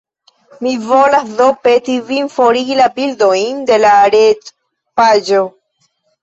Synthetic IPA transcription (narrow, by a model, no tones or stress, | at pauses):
mivolasðopet̪ivinfoɾilabild̪ojnd̪e̞laɾet | pad͡ʒo